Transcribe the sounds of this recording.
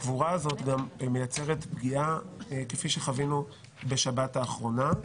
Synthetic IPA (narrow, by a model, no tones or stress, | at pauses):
kvuʁaːzo̞tɡamme̞jat͡se̞ʁetbɡiakefiʃe̞χavinu | be̞ʃabataːχʁo̞na